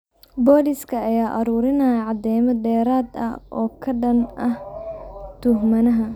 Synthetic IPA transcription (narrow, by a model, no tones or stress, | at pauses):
bɔːdɪskʰɐɐjaːʔɐɾuːɾɪnɐjɐʕɑd̪ɛjmɐd̪ɛːɾaːd̪ɐ̰ʔɔːkʰɐɖɐnʔɐh | t̪ʰʊhmɐnɐɦɐ